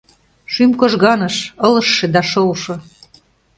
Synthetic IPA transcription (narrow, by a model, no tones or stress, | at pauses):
ʃymkoʒɣɑnɤʃɤ̆lɤ̆ʃːĕd̪ɑʃolʃɤ̆